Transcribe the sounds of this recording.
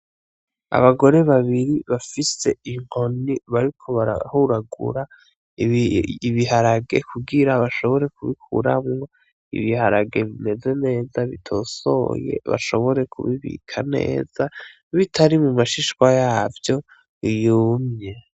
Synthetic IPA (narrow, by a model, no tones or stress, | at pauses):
a̰βaɡo̞ɾe̞βaβiɾiβafise̞iŋ̥ho̞niβaɾikʰo̞βaɾa̰huɾaɡṵɾa | βiɦaɾaɡe̞̰kʰuɡiɾaβaʃo̞βo̞ɾe̞kuβikʰṵɾamŋwa | ḭβihaɾaɡe̞βime̞ze̞ne̞ːzaβitʰo̞ːso̞̰je̞̰βa̰ʃo̞βo̞ɾe̞kʰṵβiβḭkʰane̞̰ːz̥a | βitʰaɾimumaʃiʃkwajaːvjo̞ | ijuːmɲe̞